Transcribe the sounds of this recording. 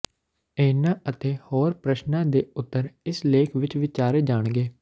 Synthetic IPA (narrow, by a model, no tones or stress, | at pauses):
eːnãːʔət̪eːhoːɾpɾəʃnãːd̪eːʊt̪ːəɾɪsleːkʰʋɪt͡ʃʋɪt͡ʃaːɾeːd͡ʒaːɳɡeː